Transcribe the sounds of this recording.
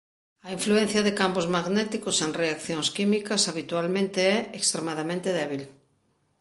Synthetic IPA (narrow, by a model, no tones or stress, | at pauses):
ɐiɱfluẽn̟θjɐðekampozmaɣnɛt̪ikoseŋreakθjoŋskimikɐsaβit̪ualmẽnt̪eɛekst̪ɾemaðamẽnt̪eðɛβ̞il